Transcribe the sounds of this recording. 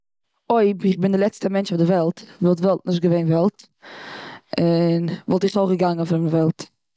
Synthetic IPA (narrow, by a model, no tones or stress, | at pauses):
oɪbɪχbɪndɪlˠɛt͡stəmɛnt͡ʃɔdɪvɛlˠtvɔlˠtvɛlˠt̚nɪʃtɡəveɪnvɛlˠt | ɪnvɔlˠtɪχtoɡəɡaŋənfɪɾmvɛlˠt